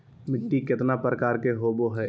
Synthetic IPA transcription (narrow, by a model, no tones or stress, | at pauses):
mɪʈːikɪt̪napɾəkaːɾkeɦoboɦɛ